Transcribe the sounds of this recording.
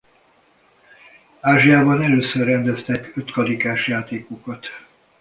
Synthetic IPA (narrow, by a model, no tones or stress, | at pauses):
aːʒijaːbɒnɛløːsørːɛnd̪ɛst̪ɛkøt̪kɒlikaːʃjaːt̪eːkokɒt̪